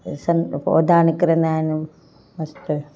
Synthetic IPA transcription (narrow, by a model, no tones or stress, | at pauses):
sɐno̰d̪aːnikɐɾɐnaːnu | mɐst̪u